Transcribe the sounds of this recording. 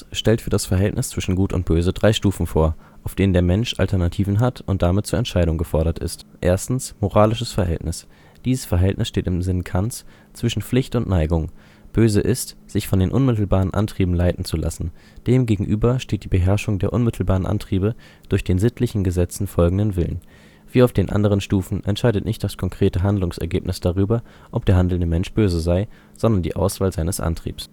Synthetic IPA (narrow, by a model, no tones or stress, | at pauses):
ʃtɛltfyːɐdasfɛɐɦɛltnʔɪst͡sv̥ɪʃn̩ɡuːtʊ̰nt̚b̥øːzədʁaɪʃtuːfn̩foːɐʔaʊfd̥eːnəndeːɐmɛnʃʔa̰ltʰɛɐnatʰiːvn̩ɦatʰʊntd̥amɪt̚t͡suːɐɛntʃaɪɾʊŋɡəfɔɐɾɐtɪ̰stʔḛːɐstn̩smoʁaːlɪʃəsfɛɐɦɛ̰ltnɪs | d̥iːzəsfɛɐɦɛltnɪ̰sʃteːtɪmzɪnkʰant͡s | t͡sv̥ɪʃn̩flɪçtʊntnaɪɡʊŋ | b̥øːzəʔɪstz̥ɪçfɔndeːnʔʊnmɪtl̩baːʁənʔa̰ntʁ̥iːbm̩laɪtn̩t͡sulʔa̰sn̩d̥eːmɡeːɡŋ̩ʔyːbɐʃteːt̚d̥iːbəɦɛɐʃʊŋdeːɐʔʊnmɪtʰl̩baːʁənʔa̰ntʁ̥iːbə | d̥ʊɐçd̥eːnzɪtʰlɪçn̩ɡəzɛt͡sn̩fɔlɡŋ̩dənvɪlə̰n | v̥iːaʊfd̥eːnʔa̰ndəʁ̞ənʃtuːfn̩ʔɛ̰ntʃaɪdətnɪçt̚d̥askʰɔŋkʁ̥eːtəɦandlʊŋsɛ̰ɐɡeːp̚nɪsd̥aʁyːbɐ | ʔɔp̚d̥eːɐɦandl̩ndəmɛnʃb̥øːzəzaɪ | z̥ɔndɐndḭːʔa̰ʊsv̥aːlzaɪnəsʔa̰ntʁ̥ḭːps